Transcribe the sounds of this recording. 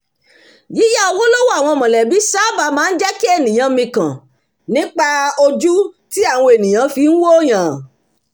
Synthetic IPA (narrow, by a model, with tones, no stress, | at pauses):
ji˨˦ja˦o˧wo˦lo˦wo˦a˦˨w̃ɔ̃˧˨mɔ̃˨lɛ˨bi˨˦sa˦ba˧mãː˦n̩˦d͡ʒɛ˦ki˦e˦˨nĩ˨j̃ã˧mĩ˧kã˨ | nĩ˨˦k͡pa˧o˧d͡ʒu˦ti˦a˦˨w̃ɔ̃˧e˨nĩ˨j̃ã˨˧˦fi˧n̩˦wo˦˨j̃ã˨